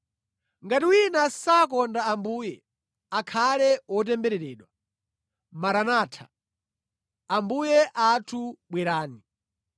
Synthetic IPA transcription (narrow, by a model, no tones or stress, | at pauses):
ŋɡatiwinasakɔndaambuːjɛ | akʰalɛwɔt̬ɛmbɛɾɛɾɛːɗwa | maɾanaːtʰḁ̰ | ambujɛʔatʰuɓwɛɾaːni